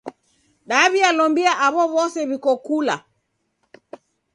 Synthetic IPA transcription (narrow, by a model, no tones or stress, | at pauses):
ɗaβialɔmbiaʔaβɔβɔsɛβikɔkula̰